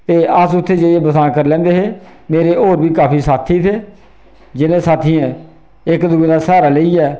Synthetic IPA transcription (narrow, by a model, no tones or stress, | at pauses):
t̪eːəsʊt̪ʰːeːd͡ʒeeːbəsãːkəɾlɛ̃ːnd̪eːɦeː | meːɾeːʔoːɾbiːkaːpʰiːsaːt̪ʰiːt̪ʰeː | d͡ʒɪnẽːsaːt̪ʰiːɛ̃ | ɪkd̪uːeːd̪aːsaːɾaːləiːɛː